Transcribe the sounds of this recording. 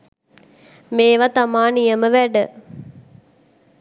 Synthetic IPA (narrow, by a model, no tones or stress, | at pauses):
meːʋat̪amaːnijəməʋæɖə